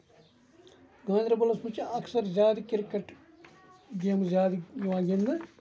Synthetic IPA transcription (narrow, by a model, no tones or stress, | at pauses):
ɡãːnd̪ʲɾɐbɐlɐsmut͡ʃɐksɐɾzʲaːd̪ikɪɾkɐʈ | ɡeːmzʲaːd̪iʋaːɡend̪ɐ